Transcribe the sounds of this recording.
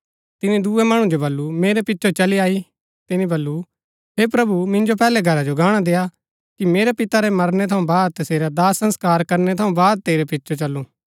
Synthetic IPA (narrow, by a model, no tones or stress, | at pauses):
t̪ɪnĩd̪uːemɐɽ̃ũd͡ʒobɐlːumeːɾepɪtːʃʰot͡ʃɐliaːi | t̪ɪnĩbɐlːu | ɦeːpɾɐbumɪ̃nd͡ʒopɛːlɛɡʱɐɾad͡ʒoɡaːɽ̃ad̪eːja | kimeːɾepɪt̪aɾɛmɐɾnɛt̪ʰɐũbaːd̪̚t̪ɐseːɾad̪aːsɐ̃nskaːɾkɐɾnɛt̪ʰɐũbaːd̪̚t̪eːɾepɪtːʃʰot͡ʃɐlːũː